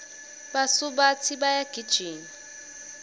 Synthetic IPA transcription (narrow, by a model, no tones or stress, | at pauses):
basuɓat͡sʰiɓajaɡ̥ʱid̥ʒ̥ʱiːni